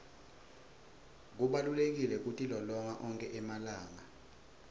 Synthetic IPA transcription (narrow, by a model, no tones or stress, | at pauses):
k̬uɓalulek̬ilɛk̬utʼilɔlɔŋaʔɔŋkʼɛʔɛmalaːŋa